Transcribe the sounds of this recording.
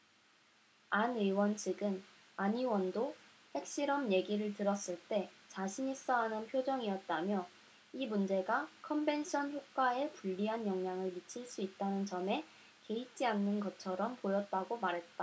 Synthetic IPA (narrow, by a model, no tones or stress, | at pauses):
anɯwʌnt͡ɕʰɯɡɯn | aɲiwʌndo | he̞k̚ɕ͈iɾʌmje̞ɡiɾɯɭtɯɾʌs͈ɯɭt͈e̞t͡ɕaɕʰiɲis͈ʌɦanɯnpʰjod͡ʑʌŋijʌt̚t͈amjʌ | imund͡ʑe̞ɡakʰʌmbe̞nɕʰʌnçjok̚k͈waepuʎːiɦanjʌŋɲaŋɯɭmit͡ɕʰiɭs͈uit̚t͈anɯnt͡ɕʌme̞ | ke̞it͡ɕ͈ianːɯnɡʌt͡ɕʰʌɾʌmpojʌt̚t͈aɡomaɾɦe̞t̚t͈a